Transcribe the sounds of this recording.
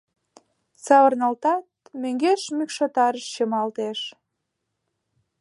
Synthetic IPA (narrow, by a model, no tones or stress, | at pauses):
sɑβərnɑlt̪ɑt̪̚møŋɡeʃmykʃot̪ɑɾəʃt͡ɕəmɑlt̪eʃ